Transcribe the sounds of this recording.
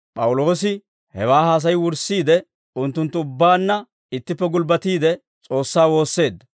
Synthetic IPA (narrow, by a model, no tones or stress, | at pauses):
pʼɐwʊlo̞ːsɪ | hɛwaːhaːs̬ɐjwʊɾsːiːd̪ɛ | ʊnt̪ːʊnt̪ːʊʊbːaːnːɐ | ɪt̪ːɪpːɛɡʊlbɐt̪iːd̪ɛ | t͡sʼo̞ːsːaːwo̞ːsːe̞ːd̪ːɐ